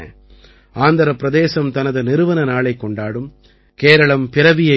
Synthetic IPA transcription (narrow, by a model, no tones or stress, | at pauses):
ɐ̰ | aːnd̪ɐɾɐpːɪɾɐðeːsɐmt̪ɐnɐðɯnɪɾɯʋɐnɐnaːɭɐɪkːɔɳɖaːɽɯm | keːɾɐɭɐmpɪɾɐʋɪjɐ